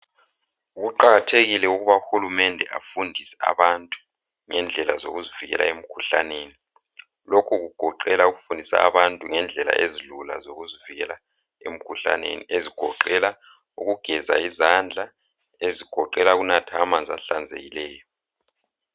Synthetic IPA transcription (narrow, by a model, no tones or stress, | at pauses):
ɣuǃaɣatʰeɣilɛuɣuβauxulumɛndʱɛa̰fundʱisɛ̥a̰βantʼu̥ | ŋɛnd͡ɮʱɛlazoɣuziviɣɛ̰lʔa̰em̩kʰuɬa̰neːni | lokʰuɣuɡ̥ʱɔǃɛlauɣufundʱisa̰ːβantʼuŋɛnd͡ɮʱɛla̰ʔezilula̰zoɣuziviɣɛla | ḛm̩kʰuɬa̰nḛnieziɡ̥ʱɔǃɛla | uɣuɡ̥ʱɛza̰izand͡ɮʱa | eziɡ̥ʱɔǃɛlaɣunatʰamand͡zʱaɬand͡zʱḛɣilɛːjɔ